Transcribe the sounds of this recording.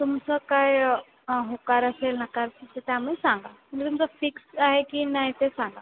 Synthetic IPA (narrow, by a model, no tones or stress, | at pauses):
t̪umsəkaj | ɦokaɾəselnakaɾsət̪jamesãŋɡaməɳit̪umt͡safiksaɦekiːnaɦit̪esaŋɡa